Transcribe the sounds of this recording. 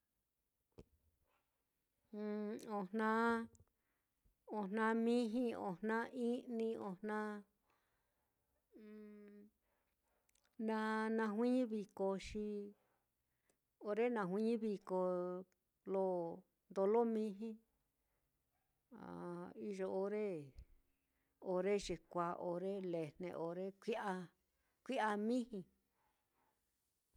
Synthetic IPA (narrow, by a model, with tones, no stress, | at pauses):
o˧n̥nã˦ | o˧nnã˧mĩ˦ɦĩ˦o̰˨n̥nã˦ʔi˦nĩ˧o˧n̥nã˦˧˨ | nã˧nã˧ɦwʷĩ˦ɲĩ˦βi˧ko˧ʃi˧ | o˧ɾe˦nã˧ɦʷĩ˦ɲĩ˦βi˧ko˧ | lo˦ | nd̪o˧lo˦mĩ˦ɦĩ˦ | a̰˨i˧ʒo˧o˧ɾe˦ | o˧ɾe˦ʒe˨kʷa˧ʔo˧ɾe˦le˨n̥nḛ̃˧ʔo˨ɾe˦kʷi˦a˧ | kʷi˦a˧mĩ˦hĩ˧